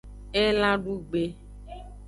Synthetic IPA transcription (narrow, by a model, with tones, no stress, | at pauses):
e˦lã˦ɖu˦ɡ͡be˦